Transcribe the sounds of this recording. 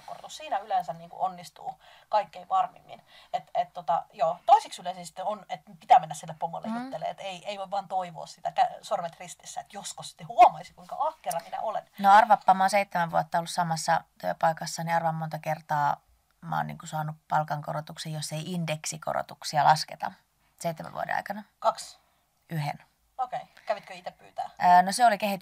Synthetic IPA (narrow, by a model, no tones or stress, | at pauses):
ko̰rt̪ussiːnæylensænniːŋkṵʔonːist̪ṵːkɑikːeiʋɑrmḭmːḭnet̪et̪t̪ot̪ɑ̰joːt̪oisiksylesisi̥t̪ːeonet̪pit̪æːmenːæsilːeppomːo̰lːḛjit̪ːelːḛḛt̪eiʔeiʋoiʋɑːnt̪oiʋo̰ːssit̪ækæsormet̪rist̪isːæet̪joskossi̥t̪ːehuɑmɑisikuiŋkɑ̰ʔɑkːerɑminæ̰ʔolḛnnoɑrʋɑpːɑːmɑonseit̪ːæmæʋʋuɑt̪ːɑolːussɑmɑsːɑt̪yø̰pɑikɑsːɑniɑrʋɑmmont̪ɑkert̪ɑː | mɑ̰ːnḭːŋkusɑːnupɑlkɑŋkoɾot̪uksejjosːeiindeksiko̰ro̰t̪uksiɑlʔɑsket̪ɑ̰ | seit̪ːemæ̰ʋṵdḛnɑ̰jkɑnɑkɑks | yhḛn | okeikæʋit̪køit̪eppyːt̪æ̰ːnoseolikehit̪